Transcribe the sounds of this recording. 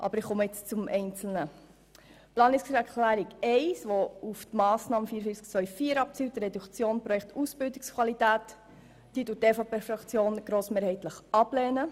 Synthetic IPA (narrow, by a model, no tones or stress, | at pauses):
ʔɑ̰bəɾɪχɔməɪt͡st͡sumʔɛɪnt͡sl̩nə | plɑːnɪssɛɾkʰlæːɾiɡɛɪsʋouft̪mɑːsnɑːməfiəɾəfiːt͡skt͡sʋœʏfiːɾɑp̚t͡siːwt̪ɾɛdukt͡sjoːnpɾɔjɛkt̪usb̥ɪldikskʰvwɑlitæːt | d̥iːtuteːfopeːfɾɑkt͡sjoːnɡ̥ɾoːsmeːɾhɛɪt̪ləχɑblɛːnə